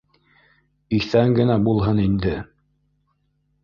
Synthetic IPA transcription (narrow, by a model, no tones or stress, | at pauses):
iθæŋɡɘ̆næbulˠɦɤnind̪ɘ